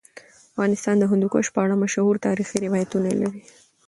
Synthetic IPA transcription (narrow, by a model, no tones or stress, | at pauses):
afɣɑnɪst̪ɑnd̪əɦʊnd̪ukoʃpəaɽamaʃhuɾt̪ɑɾixiɾɪwɑjat̪unala̰ɾi